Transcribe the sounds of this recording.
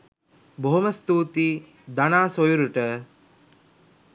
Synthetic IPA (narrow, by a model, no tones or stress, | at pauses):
boɦoməst̪uːt̪i | d̪anaːsojuɾuʈə